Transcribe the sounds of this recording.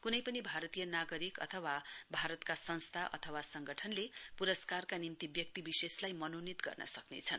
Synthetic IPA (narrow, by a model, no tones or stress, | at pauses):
kunʌjpʌnibʱaɾʌt̪ijʌnaɡʌɾikʌ̰t̪ʰʌwabʱaɾʌt̪kasʌnst̪ʰaʔʌ̰t̪ʰʌwasʌŋɡʌʈʰʌnlepuɾʌskarkanimt̪ibjʌk̚t̪ibiseslajmʌnonit̪ɡʌ̰rnʌ̰sʌknḛt͡sʰʌn